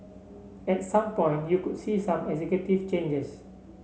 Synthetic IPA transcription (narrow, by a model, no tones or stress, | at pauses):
ɛt̚sãmpɔ̃j̃ntjukudsisãmɛzɛkjutivt͡ʃẽnd͡ʒəs